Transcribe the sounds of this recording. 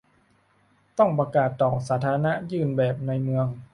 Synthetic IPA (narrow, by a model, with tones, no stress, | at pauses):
t̪ɔ˥˩ŋpɾa˧kaː˨˩t̪ːɔː˨˩saː˩˦˥t̪ʰaː˧a˧na˦˥ʔjɯː˧˩nbɛː˨˩p̚na˧jmɯ˧əŋ